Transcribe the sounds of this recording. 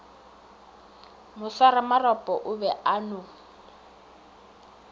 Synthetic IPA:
mʊsaɾamarɔpʼɔʔʊbɛʔanʊ

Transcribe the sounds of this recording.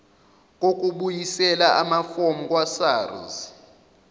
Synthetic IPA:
kʼokʼuɓujisɛlaʔamafomuk̬ʼwasaːrṵz

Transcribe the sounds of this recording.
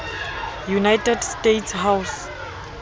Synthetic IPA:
junajtɛdstetsɦaws

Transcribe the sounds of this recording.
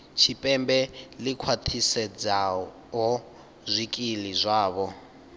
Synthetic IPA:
t͡ʃʰipʼɛmbɛlikʰwatʰisɛd͡za | ɦɔ | zʷikʼilizʷaːβɔ

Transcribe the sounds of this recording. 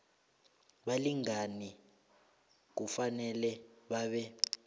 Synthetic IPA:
ɓaliŋani | k̬ufanɛlɛɓaːɓɛ

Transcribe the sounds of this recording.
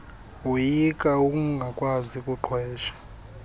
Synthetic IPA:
ujikʼaukʼuŋɡʱakʼwazikʼuǃʰʱwɛːʃḁ

